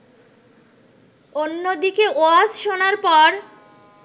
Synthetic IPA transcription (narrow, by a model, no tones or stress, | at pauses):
onːod̪ikeʔoad͡ʑʃonaɾpɔɾ